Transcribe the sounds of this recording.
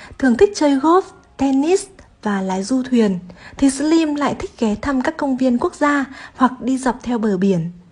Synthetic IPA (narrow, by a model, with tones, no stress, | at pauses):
t̪ʰɨ˨˩əŋt̪ʰï˦˥k̚t͡ɕəː˧jɣo˦˥f̚ | t̪ɛ˧ni˦˥s | vaː˨˩laː˨˦jzu˧t̪ʰwi˨˩ənt̪ʰi˨˩sli˧mla̰ː˧˨jt̪ʰï˦˥k̟̚ɣɛ˨˦t̪ʰa˧mkaː˦˥kːə˧wŋ͡mvi˧ənku˦˥ək̚zaː˧hwa˨˩k̚ɗi˧zə˨˩p̚t̪ʰɛ˧wɓəː˧˩ɓi˧˩ən